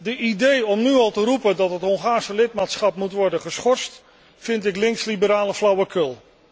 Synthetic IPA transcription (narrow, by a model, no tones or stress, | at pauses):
dəʔidejɔmnyɑlˠtərupəndɑtɦətɦɔŋχaːɹsəlɪt̚maːtsχɑpmutʋɔɹdənχəsχɔɹst | fɪntɪklɪŋkslibəɾaːləflʌwəkɵlˠ